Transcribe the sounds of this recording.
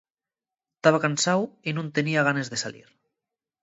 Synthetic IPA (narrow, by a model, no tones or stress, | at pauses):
t̪aβ̞akansawinõnt̪eniaɣ̞anezðesalḭɾ